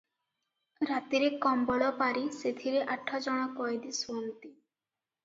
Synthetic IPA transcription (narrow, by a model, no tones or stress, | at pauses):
ɾat̪iɾekɔmbɔɭɔpaɾiset̪ʰiɾeʔaʈʰːɔd͡ʒɔɽ̃ɔkɔjd̪isuɔnt̪i